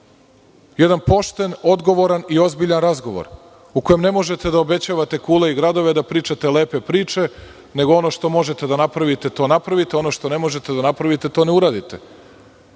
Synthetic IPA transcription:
je̞d̪anpo̞ʃt̪e̞no̞d̪ɡo̞ʋo̞ɾanio̞zbiʎanɾazɡoʋo̞̰ɾ | uko̞je̞mne̞mo̞ʒe̞t̪e̞d̪aobe̞t͡ɕaːʋat̪e̞kuːleiɡɾad̪o̞ʋe̞d̪apɾiːt͡ʃat̪ele̞ːpepɾiːt͡ʃe̞ | ne̞ɡoo̞no̞ʃt̪o̞mo̞ʒet̪e̞d̪anapɾaʋit̪et̪o̞ːnapɾaʋit̪eo̞no̞ʃt̪o̞ne̞mo̞ʒet̪e̞d̪anapɾaʋit̪e̞t̪o̞ːneuɾaːd̪it̪e

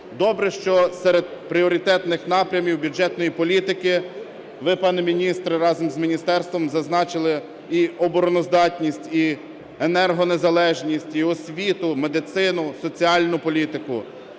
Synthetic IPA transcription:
d̪ɔbɾɛʃt͡ʃɔsɛɾed̪̚pɾʲiɔɾʲit̪ɛt̪nɪxnɑpɾʲɐmʲiwbʲud͡ʒɛt̪nɔjipɔlʲit̪ɪkɪ | ʋɪpɑnɪmʲinʲist̪ɾɪɾɑzɔmzmʲinʲist̪ɛrst̪ʋɔmzɐznɑt͡ʃɪlˠɪ | iɔbɔɾɔnɔzd̪ɑtʲnʲisʲtʲi | enɛrɦɔnezɐlˠɛʒnʲisʲtʲiɔsʲʋʲit̪ʊmed̪ɪt̪sɪnʊsɔt͡sʲiɑlʲnʊpɔlʲit̪ɪkʊ̰

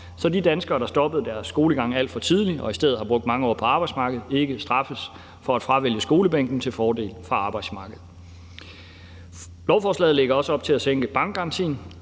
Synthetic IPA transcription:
sɒ̽did̥ænsɡ̥ɐːɾ̥ɑ̈sd̥ɒ̽b̥əð̩ˠd̥æɐsːɡ̥o̝ːləɡ̥ɑ̈ŋ̰æl̰d̥fɒ̽t͡sʰið̞ˠliɒ̽isd̥eð̰̩ˠhɑ̈b̥ʁɔ̽ɡ̚d̥̚mɑ̈ŋəɒ̰ːpʰɒ̽ɑ̈ːb̥ɑ̈ɪ̥smɑ̈ːɡ̥əð̞̩ˠe̝ɡ̥əsd̥ʁɑ̈fəs | fɒ̽æd̥fʁɑ̈ʋel̰jəsɡ̥o̝ːləb̥eŋ̰ɡ̥n̩t͡sʰe̝lfɒːde̝̰ːlfʁɑ̈ɑ̈ːb̥ɑ̈ɪd̥smɑ̈ːɡ̥əð̞̩ˠ | lɒʊfɒːslɛ̰ːðˠle̝ɡ̥ɐɒ̽səɒ̽b̥̚t͡sʰe̝læseŋɡ̥əb̥ɑ̈ŋ̰ɡ̥̚kɑɑnt͡sʰḭːn

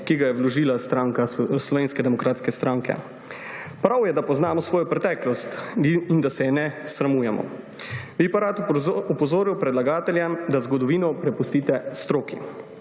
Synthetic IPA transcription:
kiɡajɛwlɔʒiːlast̪ɾaːŋkaslɔʋeːnskɛd̪ɛmɔkɾaːt̪skɛst̪ɾaːŋkɛ̰ | pɾawjɛd̪apɔznaːmɔsʋoːjɔpɾɛt̪ɛːklɔst̪ind̪asɛnɛsɾamuːjɛmɔ̰ | ʋipaɾat̪ɔpɔzoːɾiwpɾɛd̪laɡaːt̪ɛljamd̪azɡɔd̪ɔʋiːnɔpɾɛpust̪iːt̪ɛst̪ɾoːkḭ

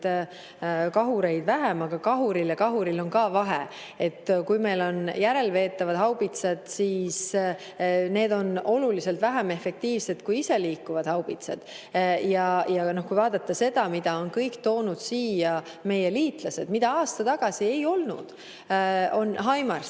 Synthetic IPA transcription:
kɑɦuɾe̞jd̪væɦemɑɡ̥ɑkɑɦuɾiljɑkɑɦuɾilo̞nkɑːvɑɦḛ | e̞t̪ːkujme̞jlo̞njæɾe̞lve̞ːt̪ːˑɑvɑd̪̥ɦɑwb̥it̪sed̪̥siːs | ne̞ːd̪o̞no̞lulise̞lt̪væɦæme̞fːe̞k̚t̪iːvse̞d̪kujise̞liːkːˑuvɑd̪̥hɑwb̥it̪sed̪̥ | jɑjɑno̞hkujvɑːd̪̥ɑt̪ːɑse̞d̪̥ɑmid̪ɑo̞nkɤjkt̪o̞ːnud̪̥siːjɑ | me̞je̞liːt̪ˑlɑse̞d̪̥mid̪̥ɑɑːst̪ɑt̪ɑɡ̥ɑsie̞jo̞lnṵd̪̥ | o̞nɦɑjmɑrs

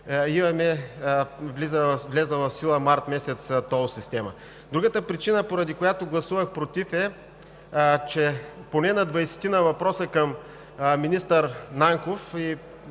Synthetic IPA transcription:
imɐmɛ | vlizəvvlɛzəvɐfsilˠɐmaɾt̪mɛsɛt̪st̪ɔsist̪ɛmə̰ | d̪ɾuɡət̪əpɾit͡ʃinəpoɾɐd̪ikojat̪oɡlˠɐsuvɐxpɾot̪ifɛ | t͡ʃɛponɛnɐd̪vɐjsɛ̥t̪inɐvɐpɾɔsəkɐm | minist̪əɾnaŋkofi

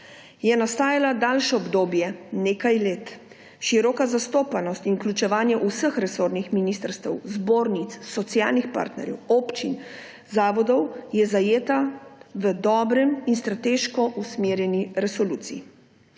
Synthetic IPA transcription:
jɛnast̪aːjalad̪aːlʃɔɔbd̪oːbjɛneːkajleːt̪ | ʃiɾɔkazast̪oːpanɔst̪inklʲut͡ʃɛʋaːnjɛʔusəxɾɛsoːɾnixminiːst̪əɾst̪ɛwzboːɾnit̪ssɔt̪sjaːlnixpa̰ːɾt̪nɛ̰ɾjɛ̰wɔːpt͡ʃin | zaːʋɔd̪ɔwjɛzajeːt̪aʋəd̪ɔːbɾɛminst̪ɾat̪eʃkɔʔusmeːɾjɛniɾɛsɔluːt̪sijḭ

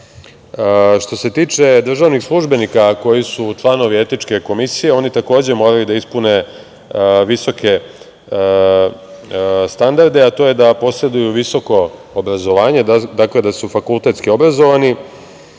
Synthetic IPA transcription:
ʃt̪o̞se̞t̪iːt͡ʂe̞d̪r̩ʒaːʋnixslˠuʒbe̞nikako̞jisut͡ʂlˠano̞ʋie̞t̪nit͡ʂke̞ko̞misije̞o̞nit̪ako̞ːd͡ʑe̞mo̞ːɾajud̪aispune̞ | ʋiso̞ke̞ | st̪and̪aɾd̪e̞at̪o̞ːje̞d̪apo̞sɾe̞d̪ujuʋiso̞ko̞ː | bɾazo̞ʋaːɲe̞d̪akled̪asufakulˠt̪e̞t̪skio̞bɾazo̞ʋani

